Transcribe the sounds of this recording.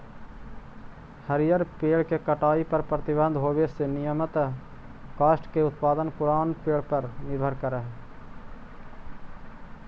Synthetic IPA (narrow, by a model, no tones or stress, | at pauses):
həɾɪjəɾpeːɭkekəʈaːipəɾpɾət̪ɪbə̃nd̪ʱɦoːʋesenɪjəmət̪ | kaːsʈkeʊt̪̚paːd̪ənpʊɾaːnpeːɭpəɾnɪɾbʱəɾkəɾəɦɛː